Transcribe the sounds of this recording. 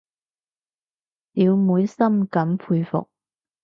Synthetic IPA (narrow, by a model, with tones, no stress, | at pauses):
niː˨˧wmuː˨˧jsɐ˥mkɐ˨˥mpʰuː˧jfʊ̰˨k̚